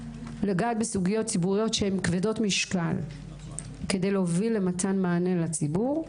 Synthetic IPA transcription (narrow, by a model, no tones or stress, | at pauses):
leɡaːt̪̚besuɡijo̞t̚t͡ssibuʁijo̞tʃehemkvedo̞tmiʃka̰l | ke̞de̞jleovilːe̞mat̪ʰanmaːnelat͡sibuʁ